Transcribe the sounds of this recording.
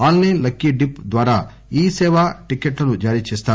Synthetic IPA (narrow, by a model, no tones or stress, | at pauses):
aːlnenlɐkːiɖipd̪ʋaːɾaː | iːsɛːʋaːʈikːeʈlɐnud͡ʒaːɾiːt͡ʃeːst̪aː